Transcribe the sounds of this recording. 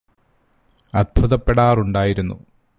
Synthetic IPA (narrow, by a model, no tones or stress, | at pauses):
ɐd̪̚bʱuðɐpːeɽaːruɳɖaːjiɾunːṵ